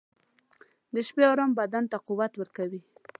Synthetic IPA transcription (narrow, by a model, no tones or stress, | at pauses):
d̪əʃpeaɾambad̪ant̪aquwat̪wəɾkawi